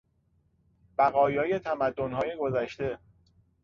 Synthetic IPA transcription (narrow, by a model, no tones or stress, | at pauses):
b̥æɣɒːjɒːje̞t̪ʰæmæd̪ːonɦɒːje̞ɡo̞zæʃt̪e̞